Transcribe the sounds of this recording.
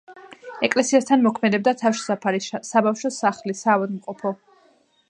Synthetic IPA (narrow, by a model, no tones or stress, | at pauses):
ɛkʼlɛsiast̪ʰanmɔkʰmɛd̪ɛbd̪at̪ʰafʃi̥sapʰaɾisabafʃɔsaχlisaːvad̪mqʼɔpʰɔ